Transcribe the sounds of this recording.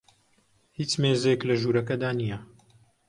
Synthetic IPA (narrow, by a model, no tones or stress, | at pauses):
hiːt͡ʃmeːzeklɐʒuːɾɐkɐd̪aːnijɐ